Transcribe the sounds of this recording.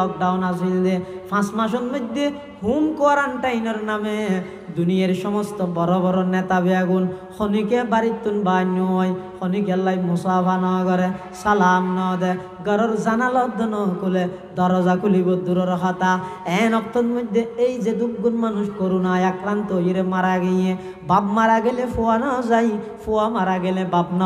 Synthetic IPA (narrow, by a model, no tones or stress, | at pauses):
ɔk̚ɖawnazild̪epʰãsmãʃ̬ɔt̪mɔd̪e | humkɔɾanʈajnɔɾname | d̪unijaɾʃɔmɔst̪ɔbɔɾɔβɔɾɔnɛt̪abiaɡunxʰɔnikebaɾit̪ːunbanːuɔjxʰonik̬ɛlːajmusapʰanɔːɡɔɾe | salamnɔːd̪ɛ | ɡɔɾɔɾzanalɔd̪ːɔnɔkule | d̪ɔɾɔzakʰulibɔd̪uɾɔɾɦat̪aɛnɔk̚t̪ɔnmɔd̪ʱːeejzed̪uɡːunmanuʃkɔɾunajakɾant̪ɔjiɾemaɾaɡejẽ | bab̚maɾaɡelepuwanɔzai | fʰuwamaɾaɡelɛ̃babnɔ